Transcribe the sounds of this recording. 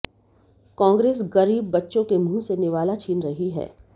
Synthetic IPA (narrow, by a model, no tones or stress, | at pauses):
kãːŋɡɾeːs̬ɣɐɾiːbːɐtːʃõkem̤ũːsenɪʋaːlat͡ʃʰiːnɾɐɦiɦɛ̰ː